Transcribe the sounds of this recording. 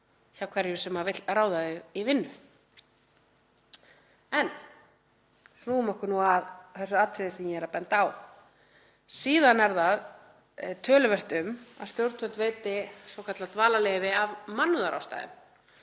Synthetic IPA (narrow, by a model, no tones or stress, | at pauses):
çaːwkʰvɛɾðjʏsɛmːavɪt̪raːwðaðʏɣivɪnːʏ | ɛn | snuːʏmɔhkʏɾnuaðθɛsaat̪ʰɾɪðɪsɛmjɛɛɾapɛnt̪aːw | siːðanɛɾðað | t̪ʰœːlʏvɛr̥t̪ʏma̰ðst̪jowɾt̪fœlt̪veːjt̪ɪsowkʰat̪lat̪vaːlalejvɪavmanːʏðaɾa̰wst̪a̰jðɪ̰m